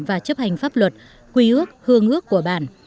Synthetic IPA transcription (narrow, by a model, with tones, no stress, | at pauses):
vaː˨˩t͡ɕə˦˥p̚ha˨˩ŋ̟faː˦˥p̚lwə˨˩t̚ | kwi˧ʔɨ˦˥ək̚hɨ˧əŋʔɨ˦˥əkːu˧˩əɓa̰ː˧˩˨n